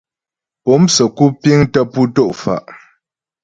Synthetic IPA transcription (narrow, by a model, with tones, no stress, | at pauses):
o˨˦msə˨ku˦pi˦ŋtə˦pu˦to˦˨ʔfa̰˨ʔ